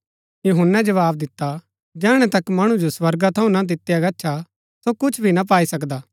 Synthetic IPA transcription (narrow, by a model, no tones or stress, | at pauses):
juɦʊnːɛd͡ʒɐʋaːbd̪ɪt̪ːa | d͡ʒɛːɽ̃ɛ̃t̪ɐkmɐɽ̃ud͡ʒoswɐɾɡat̪ʰɐ̃ũnad̪ɪt̪ːjaɡɐːʃʰa | sokʊt͡ʃʰbʱinap̬aːisɐkd̪aː